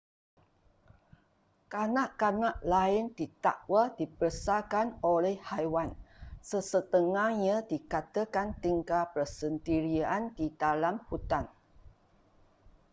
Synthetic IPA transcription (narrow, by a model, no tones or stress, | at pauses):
kanaʔkanaʔlaɪnd̪it̪a̰ʔwədipəsakanolɛhhajwansəsət̪əŋahɲãdikat̪əkant̪iŋkapəsənt̪iɾiandidalamhut̪an